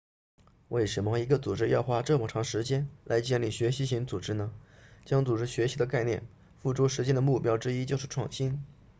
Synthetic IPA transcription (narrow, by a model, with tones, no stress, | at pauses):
we˥˩ɪʂə˧˥nmə˧i˧˥ɡə˧t͡su˨˩ʈ͡ʂɻ̩˥jɑ˥˩ʊxwa˥ʈ͡ʂɤ˥˩mə˨˩ʈ͡ʂʰɑ˧˥ŋʂɻ̩˧˥t͡ɕjɛ˥nlʔa˧˥ɪt͡ɕjɛ˥˧nli˥˩ɕɥɛ˧˥ɕi˧˥ɕi˧˥ŋt͡su˨˩ʈ͡ʂɻ̩˥nə˨t͡ɕjɑ˥ŋt͡su˨˩ʈ͡ʂɻ̩˥ɕɥɛ˧˥ɕi˧˥d̪ə˧ka˥˧ɪnjɛ̰˥˧n | fu˥˩ʈ͡ʂu˥ʂɻ̩˧˥t͡ɕjɛ˥nd̪ə˨˧mu˥˩pjɑ˥ʊʈ͡ʂɻ̩˥i˥t͡ɕjo˥˧ʊʂɻ̩˥˩ʈ͡ʂʰwɑ˥˩ŋɕi˥n